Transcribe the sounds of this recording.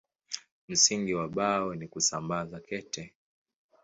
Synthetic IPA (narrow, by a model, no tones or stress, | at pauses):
m̩siŋɡiwaɓawɛnikusambazakɛtɛ